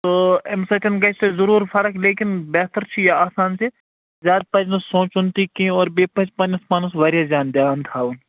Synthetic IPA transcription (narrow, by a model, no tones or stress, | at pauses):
t̪oːemsɐʈɐnkaɪsezɐɾuːɾfɐɾəkleːkɪnbɛːt̪əɾt͡ʃʰijaaːsaːnt͡ʃʰe | zʲaːd̪̚pɐd͡ʒnɐsõːt͡ʃʊnt̪ikĩɔːɾbeːpɐt͡ʃpɐnɐsmaːnɐsʋɐɾjad͡ʒaːnd̪jaːnt̪ʰaːun